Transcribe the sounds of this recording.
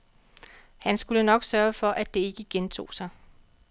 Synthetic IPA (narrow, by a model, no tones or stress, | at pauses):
hænsɡ̥ulənɒ̽ɡ̥sɶɐfɒ̽ʔæd̥e̝e̝ɡ̥əɡ̥ent͡sʰo̝̰ːsɑ̈ɪ